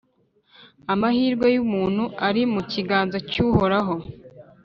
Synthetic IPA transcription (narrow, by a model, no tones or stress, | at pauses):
amahiːɾɡwejumuːn̥huaɾimuciɡaːnzacuːhoɾaɦo̞